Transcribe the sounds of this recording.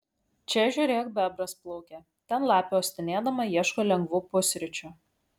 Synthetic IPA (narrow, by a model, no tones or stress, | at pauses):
t͡ʃʲɛʒʲʊːɾʲeːkbʲæbɾɐsplˠɔʊkʲɛ | t̪ʲɛnlˠɑːpʲoːsʲt̪ʲɪnʲeːd̪ɐmɐjiɛʃkoːlʲɛŋɡʋuːpʊsʲɾʲɪt͡ʃʲʊ